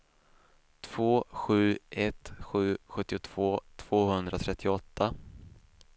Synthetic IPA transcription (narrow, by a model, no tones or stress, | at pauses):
t̪ʰv̥oːɧʉ̟ːʔɛt̪ɧʉ̟ːɧɵt̪ːɪʊt̪ʰv̥oːt̪ʰv̥oːhɵnd̪ɾʔat̪ʰɾɛt̪ʰːɪʊɔt̪ʰːa